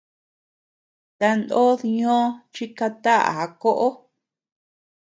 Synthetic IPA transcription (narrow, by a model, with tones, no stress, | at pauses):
t̪a˧nd̪o˦ðɲõ˦t͡ʃi˦ka˧t̪a˦ʔa̰˨a˨˧ko˦ʔo˦